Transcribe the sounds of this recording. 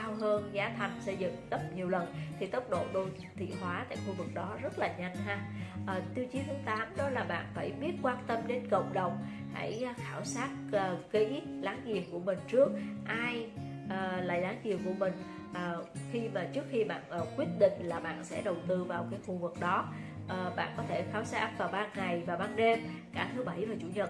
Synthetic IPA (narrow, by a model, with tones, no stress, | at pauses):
aː˧wɦəː˧nzaː˨˦t̪ʰə˨˩nsə˧jzɨ̰˧˨ŋt̪ə˦˥p̚ɲi˨˩əwlə˨˩nt̪ʰi˨˩t̪ə˦˥k͡p̚ɗo̰˧˨ɗo˧j | t̪ʰḭ˧˨ɦwaː˨˦t̪a̰ː˧˨jxu˧vɨ˨˩k̚ɗɔ˨˦zə˦˥t̚laː˨˩ɲa˧jŋhaː˧ʔəː˨˩t̪i˧əwt͡ɕi˨˦nt̪ʰaː˨˦ŋt̪aː˨˦mɗɔ˨˦laː˨˩ɓa̰ː˧˨nfaː˧˩jɓi˦˥ət̚kwaː˧nt̪ə˧mɗe˨˦nkə̰˧˨wŋ͡mɗə˨˩wŋ͡m | ha̰˧˩jːxaː˧˩wsaː˦˥t̚əː˨˩kḭ˧˥laː˨˦ŋzḭ˨˩ənku˧˩əmï˨˩ŋ̟t͡ɕɨ˦˥ək̚ʔaː˧j | ʔəː˨˩la̰ː˧˨jlaː˨˦ŋzḭ˨˩əmku˧˩əmï˨˩ŋ̟ | ʔəː˨˩xi˧maː˨˩t͡ɕɨ˦˥ək̚xi˧ɓa̰ː˧˨nʔəː˨˩kwi˦˥ət̚ɗḭ̈˧˨ŋ̟laː˨˩ɓa̰ː˧˨nsɛ̰˧˥ɗə˨˩wt̪ɨ˧vaː˨˩wkaː˨˦jxu˧vɨ˨˩k̚ɗɔ˨˦ | ʔəː˨˩ɓa̰ː˧˨nkɔ˨˦t̪ʰe˧˩xaː˨˦wsaː˦˥k̚vaː˨˩wɓaː˧nŋa˨˩jvaː˨˩ɓaː˧nɗe˧mkaː˧˩t̪ʰɨ˨˦ɓə˧˩jvaː˨˩t͡ɕṵ˧˩˨ɲə˨˩